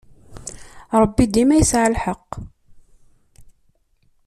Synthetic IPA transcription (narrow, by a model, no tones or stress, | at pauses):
ɾˤəbːid̪imæjəsʕalħɑqː